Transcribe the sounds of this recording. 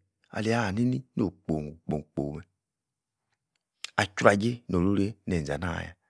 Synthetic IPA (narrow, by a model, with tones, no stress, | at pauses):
a̰˨li˨a˦˨ni˦ni˦n˦o˨k͡po˨ŋu˨k͡po˨k͡po˨me˨ | a˨t͡ʃu˦ɾa˨d͡ʒe˦no˨lu˦ɾe˦ne˨za̰˨na̰˦˨ja̰˨